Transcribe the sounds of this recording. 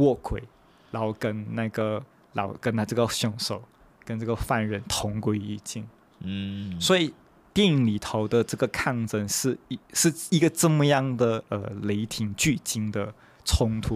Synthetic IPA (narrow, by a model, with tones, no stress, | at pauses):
wɔ˥˩kʰwe˨˩ɪ | ɻɑ˧˥ʊ˧kə˥nna˥˩ɪɡə˩ | lɑ̰˧˥ʊkə˥nna˥˧˩ʈ͡ʂɤ˥˩ɡə˩ɕjʊ˨˩ŋʂo˨˩ʊ | kə˥nʈ͡ʂɤ˥˩ɡə˩fa˥˧nɻə˧˥nt̪ʰʊ˧˥ŋkwe˥ɪi˥˩t͡ɕɛ˥˩n̩˥˩ | swɔ˧˥i˨˩ | t̪jɛ˥˩ni˨˩ŋli˨˩t̪ʰo˧˥ʊd̪ə˧ʈ͡ʂɤ˥˩ɡə˩kʰa˥˩ŋʈ͡ʂə˥˧nʂɻ̩˥˩i˧˥ʂɻ̩˥˧i˧˥ɡə˧ʈ͡ʂɤ˥˧mə˨jɑ˥˩ŋd̪ə˨˩ə˧˩le˧˥ɪt̪ʰi˧˩ŋt͡ɕy˥˩t͡ɕi˥ŋd̪ə˨ | t͡sʰʊ˥ŋt̪ʰu˥